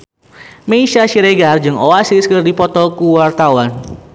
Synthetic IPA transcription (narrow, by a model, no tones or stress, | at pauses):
meiʃaʃiɾeɡard͡ʒɨŋoasiskərdipɔt̪ɔkuwart̪awan